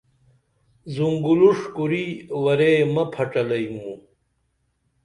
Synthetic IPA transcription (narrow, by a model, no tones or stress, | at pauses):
zuŋɡuluʂkuɾiwɐɾemɐpʰɐʈ͡ʂɐlɐimu